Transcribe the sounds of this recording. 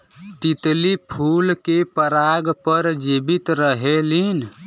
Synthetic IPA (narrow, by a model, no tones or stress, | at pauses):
t̪it̪lipʰulkepəɾaɡpəɾd͡ʒibit̪ɾəɦelin